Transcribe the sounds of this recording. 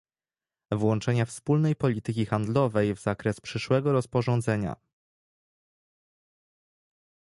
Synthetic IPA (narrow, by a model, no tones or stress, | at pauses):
vwɔnt͡ʂɛɲafspulnɛjpɔlʲit̪ɘkʲixand̪lɔvɛjvz̥akɾɛspʂɘʂwɛɡɔɾɔspɔʐɔ̃nd̪zɛɲa̰